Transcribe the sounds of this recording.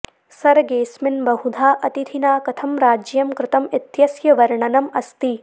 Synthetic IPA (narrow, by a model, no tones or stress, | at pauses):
sɐɾɡeːsmɪnbɐɦud̪ʱaːʔɐt̪it̪ʰinaːkɐt̪ʰɐmɾaːd͡ʒjɐmkɾɪt̪ɐmɪt̪jɐsjɐʋɐɾɳɐnɐmɐst̪i